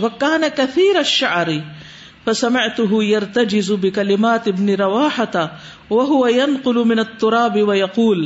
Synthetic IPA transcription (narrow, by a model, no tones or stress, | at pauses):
wakaːnakaθiːɾaʃːaʕɾɪ | fasamɪʕt̪ʊɦʊjaɾˤt̪ad͡ʒɪzʊbɪkalɪmaːt̪ɪbnɪɾˤɑwaːħat̪ | waɦʊwajanqʊlʊmɪnat̪ːʊɾˤɑːbɪwajɑquːl